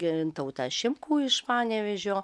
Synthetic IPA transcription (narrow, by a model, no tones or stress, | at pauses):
t̪ɐʊt̪ɑʃʲɪmkuːɪʃpɑːnʲɛʋʲɛʒʲoː